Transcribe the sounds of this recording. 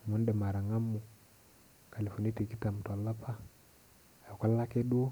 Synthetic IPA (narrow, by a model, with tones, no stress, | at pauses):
mu˦n˦de˨ma˨ɾa˨ŋa˦mːu˨ | ka˨le˨fo˨ni˦te˨ki˦ta˨m˨to˨lːa˦pʰa˦˨ | ka˦lːa˦ke˦ɗu˦